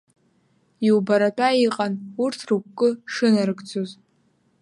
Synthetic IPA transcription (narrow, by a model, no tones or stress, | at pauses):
iwbaɾatʷʼaiqʼanurtʰrukʷkʼːɨʂɨnarɨɡt͡sʰoz